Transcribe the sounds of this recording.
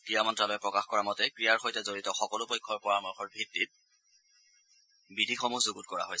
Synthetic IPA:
kɹijamɔntɹalojɛpɹɔkaxkɔɹamɔtɛkɹijaɹxɔjtazoɹitɔxɔkɔlʊpɔjkʰːɔɹpɔɹamɔxɔɹbʱitːit̚ | bidʱixɔmuzoɡut̚kɔɹa̰ɦojsɛ

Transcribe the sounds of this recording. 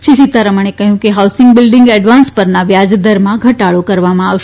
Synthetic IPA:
ʃiʃit̪aɾəməɳ̃ekəɦjũkeɦawsɪŋɡbɪlɖɪŋɡɛɖʋanspəɾnaʋjad͡ʒd̪əɾmãɡʱəʈaɭokəɾʋamãaʋʃe

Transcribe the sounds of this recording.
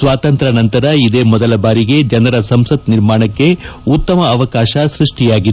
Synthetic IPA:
sʋaːt̪ɐnt̪ɾɐnɐnt̪ɐɾɐid̪eːmɔd̪ɐlɐbaːɾiɡe̞d͡ʒɐnɐɾɐsɐmsɐt̪niɾmaːɳɐkːe̞ut̪ːɐmɐːʋɐkaːʃɐsɾuʂʈijaːɡid̪

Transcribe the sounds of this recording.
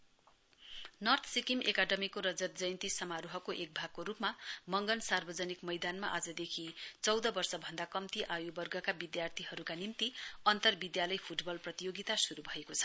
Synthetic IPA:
nʌrt̪ʰsikimʔekaɖʌmikoɾʌd͡zʌt̪̚d͡zʌjnt̪isʌmaɾuɦʌkoʔek̚bʱaɡ̚koɾupmamʌŋɡʌnsarbʌd͡zʌnikmʌjd̪anmaʔad͡zʌd̪ekʰit͡sʌwd̪ʌbʌrsʌbʱʌnd̪akʌmt̪iʔajubʌrɡʌkabid̪jart̪ʰiɦʌɾukanimt̪iʌnt̪ʌrbid̪jalʌjpʰuʈbʌlprʌt̪ijoɡit̪asuɾubʱʌekot͡sʰʌ̥

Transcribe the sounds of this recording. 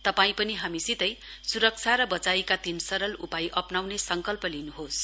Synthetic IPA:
t̪ʌpaĩpʌniɦamisit̪ʌj | suɾʌk̚t͡sʰaɾʌbʌt͡saikat̪insʌɾʌlupajʔʌpnawnesʌŋkʌlpʌlinuɦos

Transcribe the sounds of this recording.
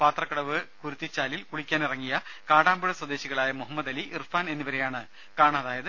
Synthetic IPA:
paːt̪rɐkːɐɽɐʋɨkuɾut̪ːit͡ɕːaːlilkuɽikʲːaːnirɐŋːijɐkaːɽaːmbuɭɐswɐd̪e̞ːɕiɣɐɭaːjɐmuɦɐmːɐd̪ɐliʔirfaːne̞nːiʋɐɾe̞jaːɳɨ | kaːɳaɐðaːjɐðɨ

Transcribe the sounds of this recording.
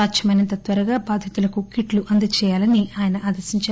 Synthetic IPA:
aːtʃɐmɐjnɐnt̪ɐt̪ʋɐɾɐɡaːbaːd̪ʱjɐt̪ulɐkukiʈluʔɐnd̪ɐt͡ʃɛːjaːlɐniaːjɐnɐʔaːd̪ɐɾsiɲt͡ʃaː

